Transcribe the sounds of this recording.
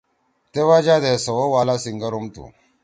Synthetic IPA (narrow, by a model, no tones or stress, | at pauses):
tewad͡ʒadesowowalasiŋɡəɾumtṵ